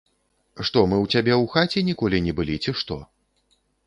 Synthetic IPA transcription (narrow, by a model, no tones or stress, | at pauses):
ʂt̪ɔmɨwt͡sʲabʲɛwxat͡sʲɛnʲikɔlʲinʲɛbɨlʲit͡sʲɛʂt̪ɔ